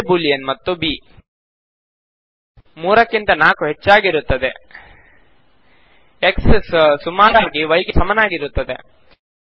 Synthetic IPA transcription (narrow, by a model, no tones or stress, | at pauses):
buːlijɐnmɐt̪ːubiː | muːɾɐkːint̪ɐnaːkuɦet͡ʃːaːɡiɾut̪ːɐd̪ḛ | eksssumaːɾaːɾɡiʋɐjɡesɐmɐnaːɡiɾut̪ːɐd̪ḛ